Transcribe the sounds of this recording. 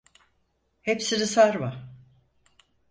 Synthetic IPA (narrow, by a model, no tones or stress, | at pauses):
hepsiɾɯsaɾma